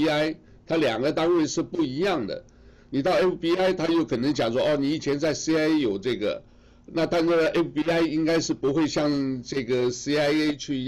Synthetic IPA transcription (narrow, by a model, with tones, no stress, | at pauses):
a˥ɪ | t̪ʰa˥ljɑ˨˩ŋɡə˧˦t̪a˥nwe˥˧ɪʂɻ̩˥˧pu˥˩i˧˥jɑ˥˩ŋd̪ə̰˩ | ni˨˩t̪ɑ˥˩ʊe˥fpi˥a˥ɪt̪ʰa˥jo˥˩ʊkʰɤ˨˩nɤ˧˥ŋt͡ɕjɑ˨˩ŋʂ̬wɔ˥ʔɔ˥˩ni˧˥i˨˩t͡ɕʰjɛ˧˥nt͡sa˥˩ɪsi˥a˥e˥jo˨˩ʊʈ͡ʂɤ˥˩ɡə̰˩ | na˥˧t̪a˥˧n̩˥˧ʔe˥fpi˥a˥ɪi˥ŋka˥ɪʂɻ̩˥˩pu˧˥xwe˥˧ɪɕjɑ˥˧ŋʈ͡ʂɤ˥˩ɡə˩si˥a˥ɪe˥ɪt͡ɕʰy˥˧